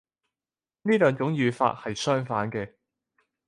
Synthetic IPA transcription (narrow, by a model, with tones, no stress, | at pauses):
niː˥lœː˨ŋt͡ʃʊ˨˥ŋjyː˨˧fa̰ː˧t̚hɐ˨jsœː˥ŋfaː˨˥nkɛː˧